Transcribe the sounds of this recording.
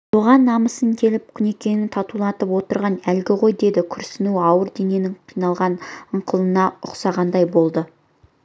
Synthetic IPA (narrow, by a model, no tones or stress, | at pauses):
soʁɑnːɑməsəŋkʲʰe̞lɪp̚kʲʰʏne̞kʲe̞nɪnt̪ʰɑt̪ulˠɑt̪əpwo̞t̪əɾʁɑnælɡʲɪʁo̞jd̪e̞d̪ɪkʲʰʏɾsɪnuɑwəɾd̪e̞ne̞nɪŋqʰijnɑlˠʁɑnəɴqʰəlˠənɑʊqsɑʁɑnd̪ɑjbo̞lˠd̪ə